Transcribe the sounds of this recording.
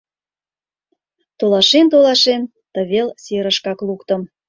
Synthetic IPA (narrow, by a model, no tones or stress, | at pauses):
t̪olɑʃent̪olɑʃen | t̪əβelseɾəʃkɑklukt̪əm